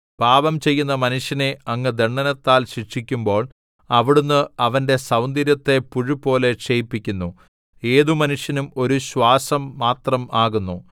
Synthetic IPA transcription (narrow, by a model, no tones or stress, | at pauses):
paːʋɐmt͡ɕe̞jːunːɐmɐnuʂjɐne̞ɐŋːɨd̪eɳːɐnɐt̪ːaːlɕikʂikʲːumbo̞ːɭ | ɐʋiɽunːɨɐʋɐnde̞sɐwnd̪iɾjɐt̪ːe̞puɻupo̞ːle̞ʂejpːikʲːunːu | e̞ːðumɐnuʂjɐnumo̞ɾuɕwaːsɐmːaːt̪rɐmaːɣunːu